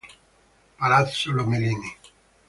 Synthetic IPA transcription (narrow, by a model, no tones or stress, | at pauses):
palat̪solomeliːni